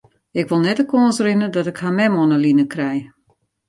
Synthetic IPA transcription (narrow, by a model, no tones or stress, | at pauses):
ɪkʋolˠnɛtəkoənsrɪnədɔtɪkhamɛmɔnəlinəkrɛj